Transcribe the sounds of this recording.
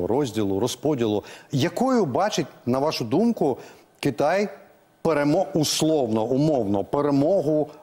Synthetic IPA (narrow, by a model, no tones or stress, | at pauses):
ɾɔzʲdʲilˠʊɾɔspɔdʲilˠʊjɐkɔjʊbɑt͡ʃɪtʲnɐʋɑʃʊd̪umkʊ | kɪt̪ɑj | peɾemɔuslˠɔwnɔʊmɔwnɔpeɾemɔɦʊ